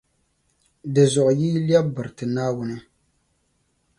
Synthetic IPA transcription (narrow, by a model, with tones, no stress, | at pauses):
dɨ˨zʊ˨ʔʊ˨jiː˦ljɛ˦bɨ˨ɾɨ˨tɨ˨naː˦wʊ˦nɨ˦